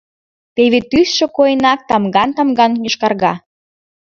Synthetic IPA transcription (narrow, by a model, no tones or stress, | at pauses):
peβet̪ysʃĕkojənɑk̚t̪ɑmɡɑnt̪ɑmɡɑnjɤ̆ʃkɑrɣɑ